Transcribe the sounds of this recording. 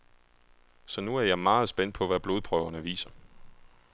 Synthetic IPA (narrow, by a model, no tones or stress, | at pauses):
sɒ̽nuæɐjɑ̈ɪmɑ̈ːð̩ˠsb̥en̰d̥pʰɒ̽ʋæb̥lo̝ːð̞̩ˠpʰʁœʊɐnəʋḭːsɐ